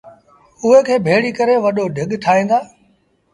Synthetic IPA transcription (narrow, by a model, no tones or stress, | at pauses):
ʊɦekʰeːbʱeːɭikɐɾeʋɐɗoɖʱɪɠʈʰaːɦĩːnd̪aː